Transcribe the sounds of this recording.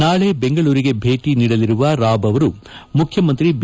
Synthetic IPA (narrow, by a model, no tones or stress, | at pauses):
naːɭe̞beŋɡɐɭuːɾiɡe̞bʱe̞ːʈiniːɽɐliɾuʋɐɾaːbɐʋɐɾumukʰjɐmɐnt̪ɾib